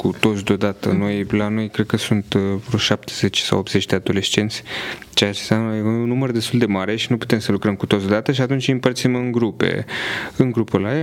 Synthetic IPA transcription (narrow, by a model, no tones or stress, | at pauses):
kut̪o̞t̪sʲd̪od̪at̪əno̞jlano̞jkɾe̞d̪̚kəsunt̪ɾoʃap̚t̪ʰeze̞t͡ʃʲsa̰wop̪ze̞t͡ʃd̪e̞ad̪o̞le̞st͡ʃe̞nt̪sʲ | t͡ʃe̞at͡ʃesʲamnəjunːumərd̪e̞st̪uld̪e̞maɾe̞ʃinupu̥t̪e̞msəlukɾəmku̥t̪ot̪sd̪od̪at̪əʃiat̪unt͡ʃʲɨmpərt̪simɨŋɡɾupe̞̰ɨŋɡɾupəlaja